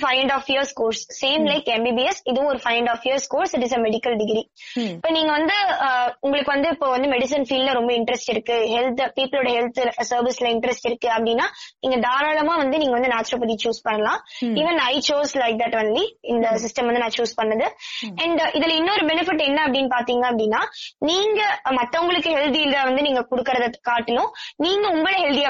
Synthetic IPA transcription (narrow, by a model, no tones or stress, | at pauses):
fɐɪɛ̃ɳɖɔːfiəɾskoːɾsseːmlɐɪkɛ̃mbiːbiɛsɪðɯʋ̃ɔɾɯfɐɪɛ̃ɳɖɔːfiəɾskoːɾsɪʈɪsɐmɛɽɪkɐlɖɪɡɾiɪɪpːoːniːŋɡɐʋɐnd̪ɯʊŋɡɐɭɯkːɯʋɐnd̪ɯɪpːoːʋɐnd̪ɯmɛɽɪs̬ɐnfiːllɐɾɔmbɐɪɳʈɐɾɛsʈɪɾɯkːɯɦɛlt̪piːpːɪloːɽɐɦɛlt̪sɐːɾʋɪslɐɪɳʈɐɾɛsʈɪɾɯkːɯɐpːɐɽɪnːaːniːŋɡɐɖ̪aːɾaːlɐmãːʋɐnd̪ɯniːŋɡɐʋɐnd̪ɯnaːsɾoːpɐd̪it͡ʃuːspɐɳːɐlãːiːʋɛnɐɪt͡ʃoːslɐɪk̚d̪ɐʈːʋɐnd̪liɪnd̪ɐs̬ɪsʈɐmʋɐnd̪ɯnãːt͡ʃuːspɐɳːɐðɯɐɳɖʔɪðɪlɪnːoɾɯbɛnɪfɪʈːɛnːɐɐp̬ːɐɽɪnːpaːɾt̪iːŋɡɐɐpːɐɽɪnːaːniːŋɡɐmɐt̪ːɐʊŋɡɐɭɯkːɯɦɛlt̪iɪlðãːʋɐnd̪ɯniːŋɡɐkʊɽɯkːɐɾɐðɐkaːʈːɪlʊ̃niːŋɡɐʊŋɡɐɭɐɦɛlt̪ija